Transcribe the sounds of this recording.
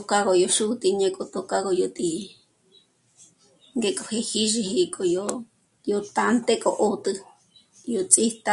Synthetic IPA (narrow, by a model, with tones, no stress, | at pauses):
t̪o˧ka˦ko˧jo˧ʃu˦t̪i˧ɲẽ˧kʼo˧t̪o˧ka˦ko˧jo˧t̪i˨ | ŋɡe˧kʼo˨he˧hi˦ʐi˧hi˧kʼo˨jo˧ | jo˧t̪a˧nt̪e˦kʼo˧ʔo˦t̪ɨ˧ | jo˨t͡sʼi˦t̪a˧